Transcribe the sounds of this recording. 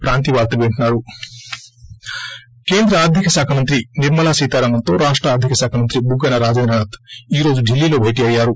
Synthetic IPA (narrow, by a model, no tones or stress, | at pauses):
pɾaːnt̪iʋaːɡt̪ɐʋeɳʈunaːɾu | keːnd̪ɾɐaːd̪ʱjikɐsaːkʰɐmɐnt̪ɾiniɾmɐlaːsiːt̪aːɾɐŋɐnt̪oːɾaːʂʈɾaːɾd̪ʱjikɐsaːkʰɐmɐnt̪ɾibuɡːɐnɐɾaːd͡ʒɐnɾɐɳɐt̪iːɾoːd͡ʒuɖʱilːilo̞ːbʱeːʈ̬iɐjːaːɾu